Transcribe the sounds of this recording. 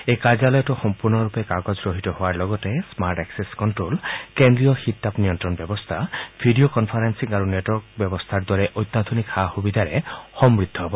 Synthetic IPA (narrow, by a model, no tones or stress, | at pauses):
ejkad͡ʒalɔjɔtɔxɔmpuɾnɔɾupekaɡɔd͡ʒɡɾoɦit̪ɔɦoaɹlɔɡɔtesmaɾʈɛkseskɔntɾolkend̪ɾijɔxit̪ːapnijɔntɾɔnbjɔbɔst̪ʰabʱiɖiokɔnpʰaɾensiŋaɾunetwɔɹk̚bjɔbɔst̪ʰaɾd̪ɔɾeʔojt̪ːad̪ʱunikaxubid̪ʱaɾexɔmɹid̪ʱːɔɦɔbɔ